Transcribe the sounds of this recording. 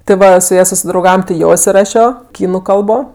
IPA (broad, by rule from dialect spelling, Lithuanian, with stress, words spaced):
tʲɪ ˈʋɐ sʊ ˈjɛ sʊsʲɪdrɐʊˈɡɑːʋɐm tʲɪ ˈjoː ɪsʲɪˈrɑːʃʲoː ˈkʲiːnʊ ˈkɐlˠboː